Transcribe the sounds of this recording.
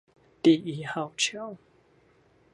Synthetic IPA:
t̪i˨˩i˨˩ha˨˩wt͡ɕʰi˥˨w

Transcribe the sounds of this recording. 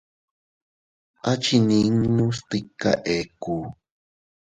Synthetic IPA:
ʔa˦t͡ʃi˧nĩ˧ŋnũ˦st̪ɨ˧kːa̰˨ʔe˨ku˨

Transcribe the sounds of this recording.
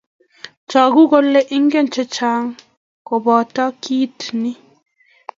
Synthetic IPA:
t͡ʃa˨ɡu˦ɡo˦lːe˦ʔi˦ŋɡe˦˨nt͡ʃe˦t͡ʃa˨˦ŋ | ko˨bɔː˨ta˦kiː˦tni˦

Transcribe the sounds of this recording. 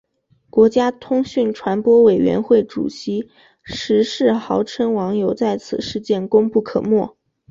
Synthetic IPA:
kwɔ˧˥t͡ɕja˥t̪ʰʊ˥ŋɕy˥˩nʈ͡ʂʰwa˧˥npwɔ˥we˨˩ɪɥɛ̰˧˥nxwe˥˩ɪʈ͡ʂṵ˨˩ɕi˧˥ | ʂɻ̩˧˥ʂɻ̩˥˩xɑ˧˥ʊʈ͡ʂʰə˥ŋwɑ˧˥ŋjo˨˧˩ʊt͡sa˥˩ɪt͡sʰɹ̩˨˩ʂɻ̩˥˧t͡ɕjɛ˥˩nkʊ˥ŋpu˥˩kʰɤ˨˩mwɔ˥˩

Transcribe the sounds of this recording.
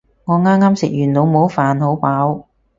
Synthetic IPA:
ŋɔː˨˧ŋaː˥mŋaː˥msɪ˨k̚jyː˨˩nno˨˧wmo˨˥wfaː˨nho˨˥wpaː˨˥w

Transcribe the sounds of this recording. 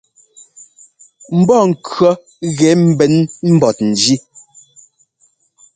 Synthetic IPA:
m̩˨˦bɔ˦˨ŋ̩˨kɰɔ˦ | ɣɛ˨˦m̩˨bɛ˨˦nm̩˦bɔ˨t̚n̩˨d͡ʒi˦

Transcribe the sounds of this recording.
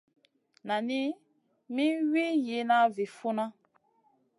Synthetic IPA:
na˨ni˦ | mĩ˦wi˦ji˨˦na˦vi˨fu˦na˦

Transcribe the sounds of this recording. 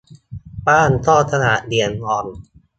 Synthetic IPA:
paː˥˩nt̪ʰɔː˥˩t̪ʰa˧na˨˩ʔdi˨˩ənhɔː˧˩n

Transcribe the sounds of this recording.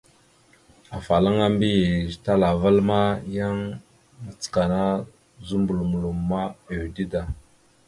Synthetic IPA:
a˨fa˨la˦ŋa˦mbi˦˨ta˦la˨va˦lma˦ja˦ŋ | ə˨t͡sə̥˨ka˨na˦ | zu˦mbu˨lmu˨lu˨mma˦e˨wdi˦da˦

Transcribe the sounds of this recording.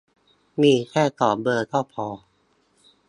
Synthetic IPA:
miː˧˨k̪ʰɛː˥˩t̪ɔː˨˩p̚bɤː˧t̪ʰɔ˥˩pʰɔː˧

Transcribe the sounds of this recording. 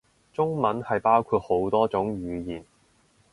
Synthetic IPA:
t͡sʊ˥ŋmɐ˨˥nhɐ˨jpaː˥wkʰuː˧t̚ho˨˥wt̪ɔː˥t͡sʊ˨˥ŋɥyː˨˧jiː˨˩n

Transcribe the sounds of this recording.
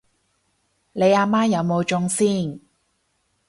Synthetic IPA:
le˨˧jaː˧maː˥jɐ˨˧wmo˨˧wt͡ʃʊ˧ŋsiː˥˩n

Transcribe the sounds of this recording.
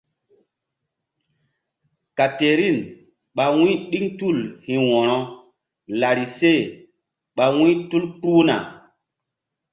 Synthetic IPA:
ka˨te˨ɾi˦˨n | ɓa˨wĩ˦ɗi˦ŋtu˦˨lhĩ˨wɔ̃˨ɾɔ̃˦ | la˨ɾi˨se˦˨ | ɓa˨wĩ˦tu˦lku˦na̰˨

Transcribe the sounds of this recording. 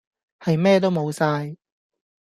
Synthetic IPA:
hɐ˨jmɛː˥t̪̬o˥wmo˨˧wsaː˧j

